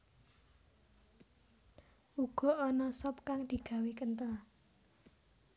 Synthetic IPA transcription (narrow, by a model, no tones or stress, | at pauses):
uɡ̥ɔ̤ʔɔnɔsɔp̚kaŋd̪̥i̤ɡ̥a̤wekənt̪əla